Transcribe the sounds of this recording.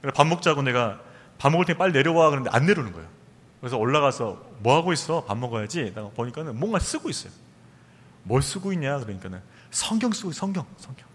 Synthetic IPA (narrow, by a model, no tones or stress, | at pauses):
kɯndeapammok̚t͡ɕ͈aɡone̞ɡa | pamoɡɯɭtʰeŋep͈aʎːine̞ɾjʌwakɯnd̪eʔa̰nːe̞ɾonɯnɡʌejo | kɯɾesʰʌoɭːaɣasʰʌmwʌɦaɡois͈ʌpamːʌɡʌjad͡ʑinaɡapoɲik͈anɯnmwʌŋɡas͈ɯɡois͈ʌjo | mwʌɭs͈ɯɡoiɲɲakɯɾʌɲik͈anɯn | sʰʌŋɡjʌŋs͈ɯɡosʰʌŋɡjʌŋsʰʌŋɡjʌŋ